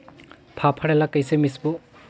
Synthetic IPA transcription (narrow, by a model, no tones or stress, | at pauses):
pʰapʰaɾelakajsemisbɔ